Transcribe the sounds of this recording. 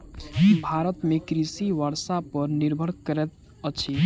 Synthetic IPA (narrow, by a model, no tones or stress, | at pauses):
bʱaɾət̪mekɾisiʋəɾsapəɾniɾbʱəɽkəɾɛt̪ | ət͡ʃʰi